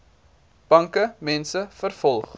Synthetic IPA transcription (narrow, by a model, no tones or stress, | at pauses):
b̥ɐŋkəmɛnsəfərfɔlˠχ